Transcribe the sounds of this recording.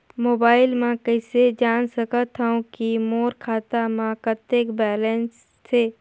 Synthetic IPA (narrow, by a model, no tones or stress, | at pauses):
moːbaːɪlmãkəɪsed͡ʒaːnsəkət̪ɦaũkimoːɾkʰaːt̪amãkət̪ːeːkbɛːlẽːns | t̪ʰeː